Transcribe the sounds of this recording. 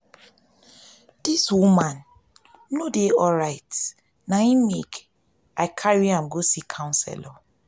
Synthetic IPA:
d̥iswumãn | nodeɔɹaɪt | naĩmḛk | aɪkʰaɹiãmɡosikʰãʊ̃nsɛ̰la

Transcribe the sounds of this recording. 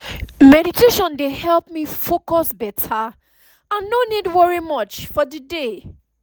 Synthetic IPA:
mɛɾiteʃɔ̃ndehɛlˠp̚mifokɔsbɛtʰa | ãnːonidwɛɹimɔt͡ʃfɔdəde

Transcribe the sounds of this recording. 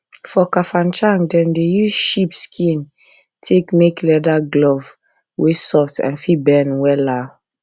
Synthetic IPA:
fɔkafãnt͡ʃãŋdɛ̃ndejuzʃipskʰĩn | tʰekmeklɛdaɡlɔv | wesɔtɛ̰̃nfibɛnwɛla

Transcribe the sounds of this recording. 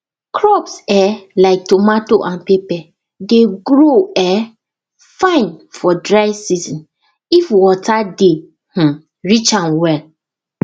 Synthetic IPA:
kʰɹɔpsɛlaɪk̚tomatoʔãnpepɛ | deɡɾoɛ | fãɪ̃nfɔdɹaɪsizɔ̃n | ifwɔtade | h̩ | ɹit͡ʃãnwɛl

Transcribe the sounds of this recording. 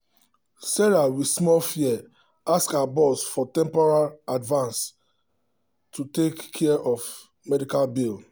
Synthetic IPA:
sɛɹawismɔlfiɛ | askaabɔsfɔtɛ̃mpɔɹaladvãns | tʰutekʰːɛɛʔɔf | mɛdikalbil

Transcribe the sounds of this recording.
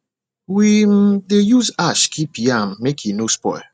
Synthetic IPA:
widejuzaʃkʰipijamːekʰinospɔ̰ɪ

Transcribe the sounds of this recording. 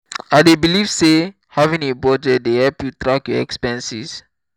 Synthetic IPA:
adebilivse | havĩŋebɔdədehɛlpjutɹakjɔɛ̰kspɛ̃nsis

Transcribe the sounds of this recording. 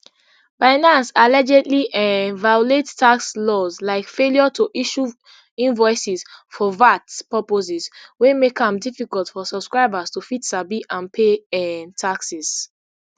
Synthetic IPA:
baɪnãnsalɛd͡ʒɛdliʔɛvajulettakslɔzlaɪkfeljɔtʰoʔiʃu | ĩnvɔɪsisfɔvatpɔpoziswemekãmdifikɔltfɔsɔb̥skɹaɪbastufitsabiʔãnpʰeɛtʰaksiz

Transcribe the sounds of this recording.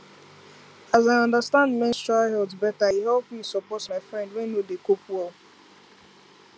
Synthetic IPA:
azaɪʌ̃ndəstãndmɛ̃nstɹaɪhɔldzbɛtaiɦɛlˠpĩsɔpɔtmaɪfɹɛ̃ndwɛ̃nːodekopwɛlˠ

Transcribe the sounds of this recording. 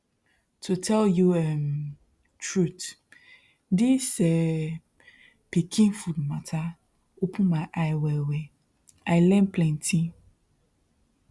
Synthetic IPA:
tʰotʰɛljuɛm | tʰɹut | disɛ | pʰekʰĩŋfudmãtʰa | wopʰũmãʔajwɛwɛ | ajlɛ̃npʰlɛ̃ntʰĩ

